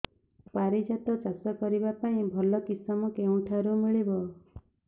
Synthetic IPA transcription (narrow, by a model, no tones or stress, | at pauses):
paɾid͡ʒat̪ɔt͡ʃasɔkɔɾibapaĩbʱɔlɔkisɔmɔkeũʈʰaɾumiɭibɔ